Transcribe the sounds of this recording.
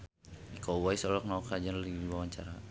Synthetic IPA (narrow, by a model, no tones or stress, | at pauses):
ikowaisɔlɔk̚naɔkad͡ʒanliibawaɲt͡ʃa̰ɾa